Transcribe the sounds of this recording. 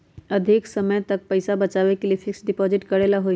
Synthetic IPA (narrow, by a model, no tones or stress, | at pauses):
əd̪ʱɪksəməjt̪ək̚pəɪsabət͡ʃaːʋekeliepʰɪksɖɪpɔːzɪʈkəɾelaɦoi